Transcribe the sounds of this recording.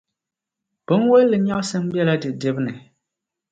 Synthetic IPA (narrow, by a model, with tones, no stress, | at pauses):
b̥ɨ˦n˦wo˦lːɨ˨ɲa˦ʔsɨ˦m̩˦bjɛ˦la˦dɨ˨dɨ˦bnɨ˨